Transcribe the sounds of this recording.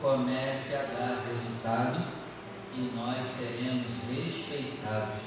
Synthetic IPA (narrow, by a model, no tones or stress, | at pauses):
komɛsɪad̪aɾɦezut̪ad̪ʊ | ɪnɔsːeɾẽmʊzɦespejt̪ad̪ʊs